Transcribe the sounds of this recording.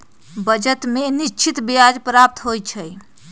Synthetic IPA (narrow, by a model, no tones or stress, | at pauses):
bəd͡ʒət̪menit͡ʃʰit̪bijad͡ʒpɾap̚t̪ɦojt͡ʃʰəj